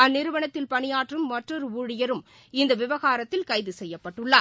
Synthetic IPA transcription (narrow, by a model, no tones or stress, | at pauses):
ɐnːɪɾɯʋɐɳɐt̪ːɪlpɐɳɪjaːʈrɯmːɐʈrɔɾɯuːɻɪjɐɾɯm | ɪnd̪ɐʋɪʋɐɣaːɾɐt̪ːɪlkɐɪðɯsɛjːɐpːɐʈːɯɭːaː